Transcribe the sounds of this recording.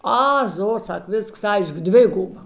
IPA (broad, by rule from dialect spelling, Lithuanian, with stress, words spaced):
ˈɐ ˈzoː ˈsɐk ˈʋʲɪsks ˈɐɪʃk ˈdʲʋʲɪɡʊbɐ